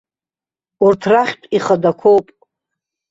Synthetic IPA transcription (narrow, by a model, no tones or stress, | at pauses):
urtʰraχʲtʷʼiχədakʷʰowpʼ